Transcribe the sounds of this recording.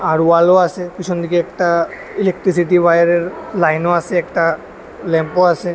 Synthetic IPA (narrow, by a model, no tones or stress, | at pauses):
aɾualoasekit͡ʃʰɔnd̪ʱikeɛkʈa | ilek̚ʈɾis̬iʈibajaɾeɾlajnoasʰeːkʈa | lɛmpoasʰe